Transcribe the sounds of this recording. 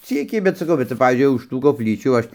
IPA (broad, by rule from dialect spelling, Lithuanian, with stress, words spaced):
ˈt͡sʲiːkʲɛɪ bʲɛt sɐˈkɐʊ bʲɛt ˈʋɐ ˈpɑːʋʲiːzʲd͡ʒʲʊɪ ʊʃ ˈtuː koːpʲˈlʲiːt͡ʃʲuː ˈɐʃ